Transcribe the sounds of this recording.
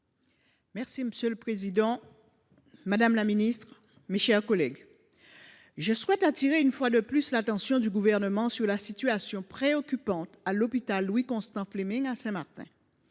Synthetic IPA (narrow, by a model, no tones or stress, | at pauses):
mɛʁsiməsjøləpχezid̪ɑ̃ | mad̪amlaminist̪χ | meʃɛʁkɔlɛɡ | ʒəswɛt̪at̪iʁeynfwad̪əplyslat̪ɑ̃sjɔ̃d̪yɡuvɛʁnəmɑ̃syʁlasit̪yasjɔ̃pχeɔkʲypɑ̃t̪alopit̪alːwikɔ̃st̪ɑ̃flemĩŋasɛ̃maʁt̪ɛ̰̃